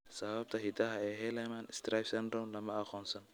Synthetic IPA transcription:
sɐβɐb̚t̪ʰɐɦit̪ɐɦɐɛːɦɛlɛmanɪst̪ɾajfsɛnd̪ɾɔmlɐmɐɐxɔːnsɐn

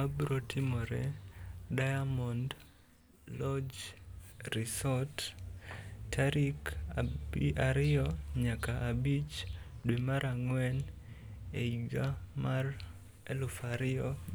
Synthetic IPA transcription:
abɾotʰɪmɔɾɛ̰ | dajamɔnd | lɔd͡ʒ | ɾisɔt | tʰaɾik | aɾɪɔɲakaʔːbit͡ʃdwemaɾaŋwɛn | eiɡamar | ɛlʊfaɾɪɔ

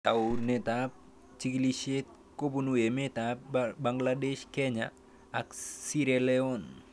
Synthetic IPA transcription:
t̪awnet̪ap̚ | t͡ʃikiliʃet̪̚ | kobunuemet̪ap̚baŋɡladeʃkeɲa̰ː | ksiɾeleon

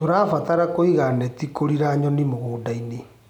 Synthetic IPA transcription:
toɾaːfataɾakoiɣanɛtikoɾiɾaɲɔnimoɣoːdaine

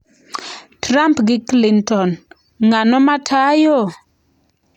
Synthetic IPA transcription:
tɾampɡɪklintɔn | ŋanɔmatʰajo

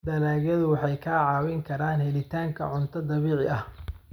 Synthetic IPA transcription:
d̪ɐlaːɣɐðʊwɑħɑjkʰaːʕɑːwɪŋkʰɐɾaːnhɛlɪt̪ʰaːŋkʰɐ̰ʕʊnt̪ʰɐd̪ɐβiːʕɪʔɐh

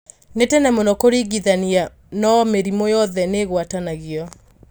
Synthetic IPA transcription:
netɛnɛmɔnɔkoɾiɣiðania | nɔmeɾimɔjɔðɛneɣwatanaɣiɔ

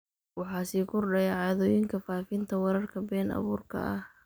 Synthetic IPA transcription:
wɑħɑːsiːkʰʊrɖɐjaʕɑːðɔːjɪŋkʰɐfaːfɪnt̪ʰɐwɐɾɐrkʰɐbɛːnɐ̰βuːrkʰɐ̰ʔɐh

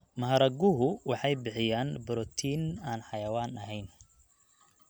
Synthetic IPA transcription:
mɐɦɐɾɐɡʊɦʊwɑħɑjbɪħɪjaːnbɔɾɔt̪ʰiːnaːnħɑjɐwaːnɐɦɛjn

